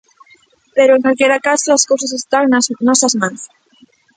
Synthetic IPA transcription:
peɾoeŋkalkeɾakasolaskows̬asest̪aŋnanɔsɐzmãns

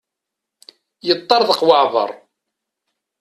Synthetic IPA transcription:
jət̪ˤːɑɾðəqwɑʕðˤə̰ɾˤ

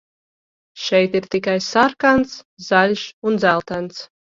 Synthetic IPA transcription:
ʃɛjt̪iɾt̪ikajsaɾkant̪s | zalʲʃund̪zælˠt̪ænt̪s

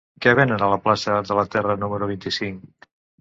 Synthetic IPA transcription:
kɛβ̞enənələplasəðələt̪ɛrənuməɾuβint̪isiŋk

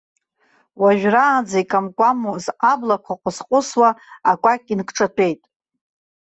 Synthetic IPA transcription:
waʒᶣraːd͡zaikʼamkʷʼamuzʔablakʷʰaqʷʼʊsqʼʊswaakʷʼakʲʼinkʰʈ͡ʂʰʼatʰe̞jtʼ

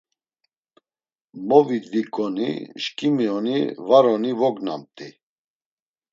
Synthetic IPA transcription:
mɔvid̪vikʼɔnḭʃkʼimiɔnḭvaɾɔnivɔɡna̰mt̪ʼi

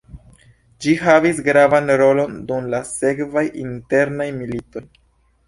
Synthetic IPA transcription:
d͡ʒiɦavisɡɾavanɾo̞lo̞ndumlase̞kvajinte̞ɾnajmilito̞j

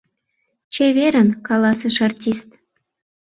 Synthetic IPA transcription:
t͡ɕeβeɾə̆nkɑlɑsəʃɑrtʲist̪

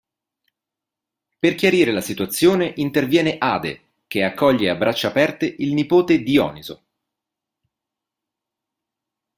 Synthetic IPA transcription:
perk̟jaɾiːɾelasit̪wat̪sːjoːneʔint̪ervjɛːneʔaːd̪ḛ | k̟eakːɔʎːeabːɾat͡ʃːaːpɛrt̪eʔilnipoːt̪ed̪iɔ̰ːnizo̰

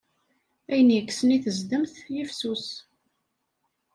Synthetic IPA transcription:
æjənjəkːsəniθəzd̪əmθjəfsus

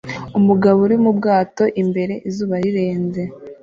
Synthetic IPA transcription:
umuɡaβuɾimubɡaːto̞ʔimbe̞ɾe̞ʔizuːβaɾiɾe̞ːnze

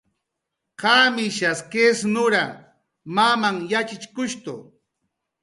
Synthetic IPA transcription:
kamɪʃaskesnʊɾa̰ | mamaŋjat͡ʃɪt͡ʃkʊʃt̪ʊ̰

